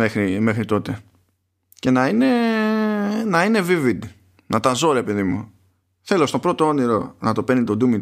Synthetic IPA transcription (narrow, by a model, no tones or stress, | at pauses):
exɾimexɾit̪o̞t̪e̞ | ce̞nɐine̞ | nɐine̞vivid̪ | nʔɐt̪ɐzo̞ɾe̞peðimṵ | θe̞lo̞st̪o̞bɾo̞t̪oo̞niɾo̞nɐt̪o̞pnit̪o̞d̪umi